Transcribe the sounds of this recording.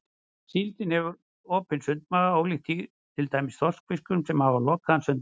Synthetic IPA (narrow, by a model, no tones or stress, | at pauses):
silt̪ɪnhɛvʏɾ | oːpɪnsʏnt̪maɣaoːwlixc̪i | t̪ʰɪlt̪aːjmɪsθɔrskfɪskʏmsɛmhavalɔkːansʏnt̪